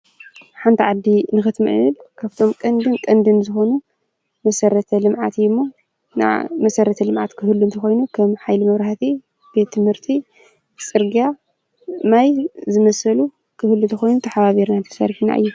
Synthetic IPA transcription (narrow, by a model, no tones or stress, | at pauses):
ħant̪ʰiʕad̪ːinɨxɨt̪mɨ̰ʕɨ̰ɨlkʰaβt̪ʰo̞mkʼɐnd̪ɨnkʼɐnd̪ɨnzɨxo̞nu | mɐsɐɾɐt̪ʰɐlɨmʕat̪jmːo | na̰mɐsɐɾɐt̪ʰɐlɨmʕat̪kʰɨhɨlːunt̪ʰɐxo̞jnukʰɐmħajlimɐβɾahat̪ʰi | b̥e̞t̪ʰːɨmhɨɾt̪ʰi | sʼɨɾɡija | majzɨmɐsɐlu | kʰɨhɨlːunt̪ʰɐxo̞jnut̪ʰɐħaβaβiɾnant̪ʰɐ̥sɐ̰ɾħina̰ʔɨ̰jːu